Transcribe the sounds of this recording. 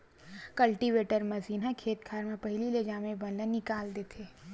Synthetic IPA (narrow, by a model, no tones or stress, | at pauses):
kɐlʈiʋeːʈəɾmɐziːnɦakʰeːt̪kʰaːɾmẽpɐɦɪliled͡ʒaːmẽbɐnlenɪkaːld̪eːt̪ʰeː